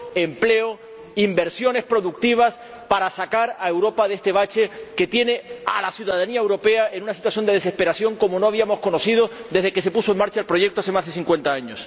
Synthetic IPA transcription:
e̞mple̞o | imbe̞ɾsjo̞ne̞spɾo̞ðuk̚t̪iβ̞as | paɾasakaɾae̞wɾo̞paðe̞st̪e̞βat͡ʃe̞ket̪je̞ne̞a̰lasjuðaðaniae̞wɾo̞pe̞ae̞nunasit̪waθjo̞nd̪e̞ðe̞se̞spe̞ɾasjo̞ŋko̞mono̞aβiamo̞sko̞no̞θið̞o̞d̪e̞zð̞e̞ke̞se̞pusoeŋmaɾt͡ʃaelpɾo̞ʝe̞k̚t̪oasθe̞mazðe̞siŋkwe̞nt̪aaɲos

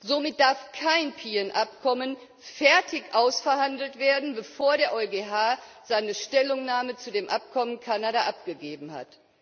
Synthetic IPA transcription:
zomɪt̚d̥aɐfkʰaɪnpʰiːɛnʔap̚kʰɔmən | fɛɐtʰɪçʔaʊsfɛɐhandl̩tv̥eːɐdn̩bəfoːɐɾeːɐʔɔʏɡeːɦaː | z̥aɪnəʃtɛlʊŋnaːmət͡sudeːmʔap̚kʰɔmənkʰanaːdaʔap̚ɡ̥əɡeːbm̩ha̰t

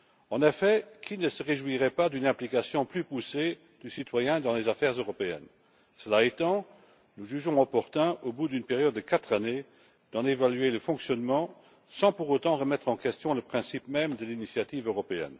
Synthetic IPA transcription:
ɑ̃nefɛkʰinəsəʁeʒwiʁɛpad̪ynɛ̃plikasjɔ̃plypuse | d̪̥ysit̪wajɛ̃d̪ɑ̃lezafɛʁzøʁɔpeɛ̰n | səlaet̪ɑ̃ | nuʒyʒɔ̃ɔpɔʁt̪ɛ̃ʔobud̪ynpeʁjɔd̪ːəkat̪χane | d̪̥ɑ̃d̪evalyeləfɔ̃ksjɔnmɑ̃ | sɑ̃puʁot̪ɑ̃ʁəmɛt̪χɑ̃kɛst̪jɔ̃ləpχɛ̃sipmɛmd̪əlinisjat̪iːvøʁɔpeɛ̰n

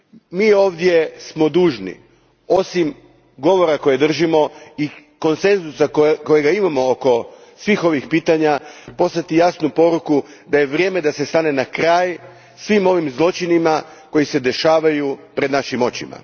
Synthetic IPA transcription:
miːo̞ːʋd̪je̞smo̞d̪uːʒnḭ | o̞sim | ɡo̞ʋo̞ɾako̞jed̪r̩ʒimo̞i | ko̞nse̞nzusako̞jeɡaimamo̞oko̞sʋixo̞ʋixpiːt̪aɲapo̞st̪at̪ijasnupo̞ɾuku | d̪aje̞ʋɾje̞ːme̞d̪ase̞st̪ane̞nakɾaːj | sʋimo̞ʋimzlˠo̞t͡ʃinima | ko̞jise̞d̪e̞ʃaːʋajupɾed̪naʃimo̞t͡ɕima̰

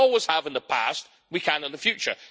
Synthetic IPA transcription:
ɔlˠwɪz̥əvɨ̃nðəpʰæ̰st̚ | wikʰə̃nɨ̃nðəfjʉt͡ʃə̰˞

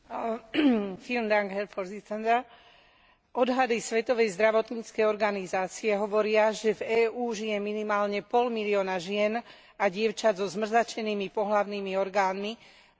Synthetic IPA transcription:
filmd̪aŋɡɦɛɾfɔɾzit͡sɛnd̪a | ʔɔd̪ɦad̪isʋɛt̪ɔʋɛjzd̪ɾaʋɔt̪ɲiːt͡skɛjɔɾɡanizaːt͡siɛɦɔʋɔɾɪaʒɛvɛːuːʒijɛminimaːlɲɛpɔlmiliɔːnaʒɪɛn | aɟɪɛʊt͡ʃazɔzmr̩zat͡ʃɛniːmipɔɦlaʊniːmiɔɾɡaːnmi

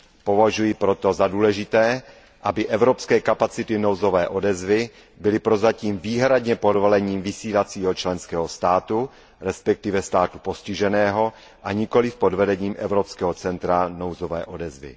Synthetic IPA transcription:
po̞vaʒujɪpɾo̞t̪o̞zaduːlɛʒɪt̪ɛː | ʔabɪʔɛvɾopskɛːkapat͡sɪt̪ɪno̞wzovɛːʔodɛzvɪ | bɪlɪpɾo̞zaciːmviːɦɾadɲɛpodvolɛɲiːmvɪsiːlat͡siːɦot͡ʃlɛnskɛːɦost̪aːt̪u | ɾɛspɛk̚t̪ɪvɛst̪aːt̪u̥poscɪʒɛnɛːɦo̞ | ʔaɲɪko̞lɪfpodvɛdɛɲiːmʔɛvɾopskɛːɦot͡sɛnt̪ɾanowzovɛ̰ːʔo̞dɛzvɪ̰

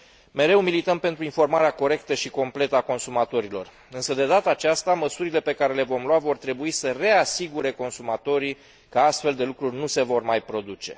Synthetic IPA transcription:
me̞ɾe̞wmilit̪əmpe̞nt̪ɾuinfo̞rmaɾeako̞ɾe̞kt̪əʃiko̞mple̞t̪əako̞nsumat̪o̞ɾilo̞̰r | ɨnsəd̪e̞d̪at̪əaːt͡ʃast̪aməsuɾile̞pe̞kaɾe̞le̞vo̞mluavo̞rt̪ɾe̞buisəre̞asiɡuɾe̞ko̞nsumat̪o̞ɾi | kəast̪fe̞ld̪e̞lukɾurʲnuse̞vo̞rmajpɾo̞d̪ut͡ʃe̞̰

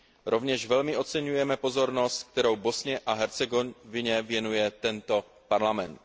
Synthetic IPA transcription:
ɾo̞vɲɛʃvɛlmɪo̞t̪t͡sɛɲujɛmɛpo̞zo̞ɾno̞st̪̚k̚t̪ɛɾowbo̞sɲɛʔaɦɛɾt͡sɛɡonvɪɲɛvjɛnujɛt̪ɛnt̪o̞ | paɾlamɛnt̪̚

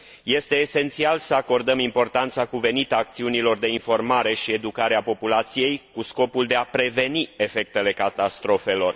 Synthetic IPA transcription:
je̞st̪e̞ːse̞nt̪sialsəako̞rd̪əmimpo̞rt̪ant̪sakuve̞nit̪aːk̚t̪siunilo̞rd̪e̞info̞rmaɾe̞ʃie̞d̪ukaɾeapo̞pulat̪sije̞jkusko̞puld̪e̞apɾe̞ve̞nie̞fe̞k̚t̪e̞le̞kat̪ast̪ɾo̞fe̞lo̞r

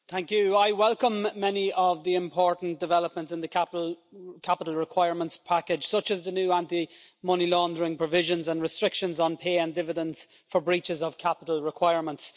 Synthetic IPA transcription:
θæ̃ŋkjʉaɪwɛlˠkə̃mːɛniəvðiɪ̃mpʰɔɹʔn̩d̥ɪvɛləp̚mə̃ntsɪ̃nðəkʰapkʰapəɾˡl̩ˠɹɪkʰw̥aɪəɹmə̃ntspʰakɪ̥ʒ̥sʌt͡ʃəzðənjʉːãnti | mʌnilɔ̃ndəɹɪ̃ŋpʰɹ̥əvɪʒə̃nzə̃nɹɪstɹ̥ɪkʃə̃nzn̩pʰeːə̃ndɪvɪdə̃nz̥ | fə˞bɹit͡ʃɪzəv̥kʰapɪɾˡl̩ˠɹɪkʰw̥aɪəɹmə̃nts

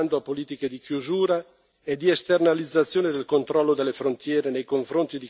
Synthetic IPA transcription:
nd̪oapːoliːt̪iked̪ikjuzuːɾa | ed̪ːiest̪ernalid̪zːat̪sːjoːned̪elkont̪ɾɔlːod̪elːefɾont̪jɛːɾenejkoɱfɾont̪id̪i

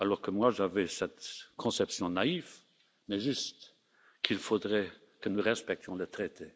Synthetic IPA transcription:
alɔʁkəmwaʒavɛsɛt̪kʰɔ̃sɛpsjɔ̃naiv | mɛʒyst̪ | kʰilfod̪ʁɛ | kənuʁɛspɛk̚t̪jɔ̃lət̪χɛt̪ʰe

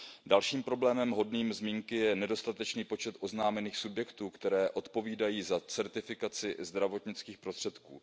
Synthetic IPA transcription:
dalʃiːmpɾo̞blɛːmɛmɦo̞dniːmzmiːŋkɪjɛnɛdo̞st̪at̪ɛt͡ʃniːpo̞t͡ʃɛt̪ʔo̞znaːmɛniːxsubjɛkt̪uːkt̪ɛɾɛːʔo̞t̪po̞viːdajiːzat͡sɛɾt̪ɪfɪkat͡sɪzd̪ɾavo̞t̪ɲɪt͡skiːxpɾo̞st̪r̥ɛt̪kṵː

